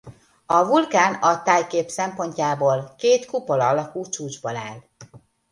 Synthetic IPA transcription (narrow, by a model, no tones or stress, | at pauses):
ɒvulkaːnɒt̪aːjkeːpsɛmpo̞ɲcaːboːlkeːt̪kupolɒɒlɒkut͡ʃuːd͡ʒbola̰ːl